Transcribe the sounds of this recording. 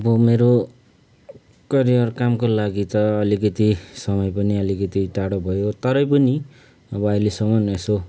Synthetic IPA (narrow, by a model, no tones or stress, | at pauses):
ʌbʌmeɾo | kʌɾijʌrkamkolaɡit̪ʌːlikʌt̪isʌmʌjpʌniʌlikʌt̪iʈaɽobʱʌjot̪ʌɾʌjpʌni | ʌbʌʌjlesʌmʌneso